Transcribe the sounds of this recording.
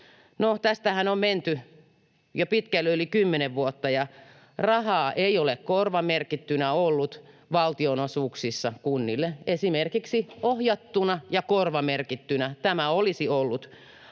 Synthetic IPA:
not̪æst̪æhænomment̪y | jopit̪kælːølikymːeneʋʋuot̪ːɑjɑ | rɑhɑːʔeiolekkorʋɑmerkit̪ːynæolːut̪ | ʋɑlt̪ionosuːksisːɑkunːilːeesimerkiksiohjɑt̪ːunɑjɑkorʋɑmerkit̪ːynæt̪æmæolisiolːut̪

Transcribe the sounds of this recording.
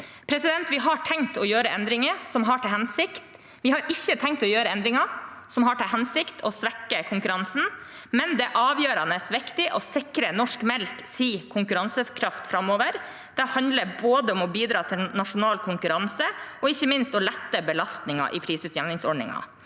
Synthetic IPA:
pʰɾɛsɪd̪ɛnt̪ʋɪɦɑʈʰɛŋt̪ɔjøːɾəʔɛnd̪ɾɪŋəsɔmɦɑʈʰɪlhɛnsɪkt̪ | ʋɪhɑɾʔɪçːət̪ʰɛŋt̪ɔjøːɾəɛnd̪ɾɪŋɑsɔmɦɑʈʰɪlɦɛnsɪkt̪ʰɔsʋɛkːəkʰʊŋkʉɾɑnsn̩ | mɛnd̪ɛʔɑːʋjøːɾɑnəsʋɪkt̪ɪʔɔsɪkɾənɔʂkmɛlksiːkʰʊŋkʉɾɑnsəkʰɾɑft̪fɾɑmːoːʋəɾ | d̪̥ɛhɑnd̪ləɾboːd̪əɔmɔbiːd̪ɾɑːt̪ʰɪlnɑʂʊnɑːlkʰʊŋkʉɾɑnsəɔɪçːəmɪnst̪ɔlɛt̪ːəbəlɑst̪nɪŋɑ̰ʔɪ̰pʰɾiːsʉːt̪jænɪŋsɔɖnɪ̰ŋɑ̰

